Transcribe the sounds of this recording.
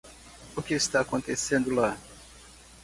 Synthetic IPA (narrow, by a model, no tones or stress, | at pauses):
ʊkɪist̪aːkõnt̪esẽnd̪ʊla